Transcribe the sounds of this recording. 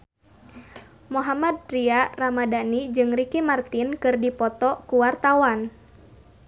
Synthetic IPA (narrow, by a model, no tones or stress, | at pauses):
moɦamad̪̚ɾiaramadanid͡ʒɨŋrikimart̪inkɨrdipɔt̪ɔkuwart̪awan